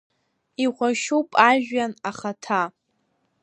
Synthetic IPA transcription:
iʁʷaʃupʼaʒᶣanaχatʰa

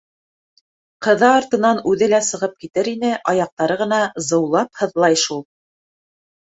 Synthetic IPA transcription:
qɤ̆ðɑːɾt̪ɤ̆nɑnʉðɘlæsɤ̆ʁɤp̚kit̪ɘɾinɘʔɑjɑq̚t̪ɑɾɤʁɤ̆nɑzɤ̆wlˠɑphɤ̆ðlˠɑjʃulˠ

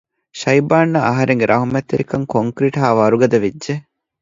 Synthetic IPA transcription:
ʃɐjbaːnːɐɐɦɐɾeŋɡeɾʔɐɦumet̪ːeɾikɐŋkoŋkɾiʈɦaːʋɐɾuɡɐd̪ɐʋidːe

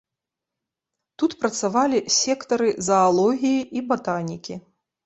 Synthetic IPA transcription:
t̪ut̪pɾɐt̪savalʲisʲɛkt̪ɐɾɨzɐːlˠɔɣʲijiʔibat̪anʲikʲi

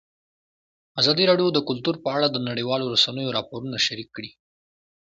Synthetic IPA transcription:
azɑd̪iɾɑɖjod̪əkʊlt̪uɾpəaɽad̪ənaɽiwɑloɾasanəjoɾɑpoɾunaʃaɾikːɽi

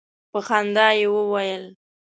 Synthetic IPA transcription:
pəxand̪ɑjewəwajəl

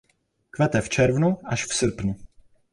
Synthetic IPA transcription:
kvɛt̪ɛft͡ʃɛɾvnuʔaʃfsr̩pnu

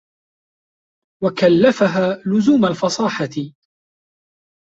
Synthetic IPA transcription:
wakalːafaɦaːlʊzuːmalfɑsˤɑːħat̪ɪ

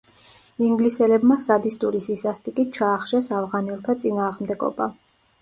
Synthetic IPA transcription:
iŋɡlisɛlɛbmasad̪ist̪ʼuɾisisast̪ʼikʼit̪̚t͡ʃʰaːχʃɛsavʁanɛlˠt̪ʰat̪sʼinaːʁmd̪ɛɡɔ̰ba

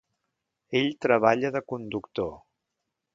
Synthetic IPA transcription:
eʎt̪ɾəβ̞aʎəðəkund̪ukt̪o

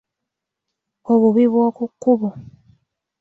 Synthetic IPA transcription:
oβuβiβwokukːuβo

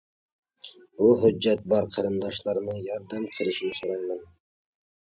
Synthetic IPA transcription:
buɦʊd͡ʒːæt̪̚bɑɾqʰæɾɨmd̪ɑʃlˠɑɾnɨŋjɑɾd̪æmqʰəlˠɪʃinɪsoɾɑjmæn

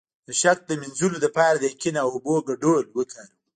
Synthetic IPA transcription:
d̪əʃak̚d̪əmɪnzulod̪əpɑɾad̪əkinawʊboɡaɖolwət̪laɾə

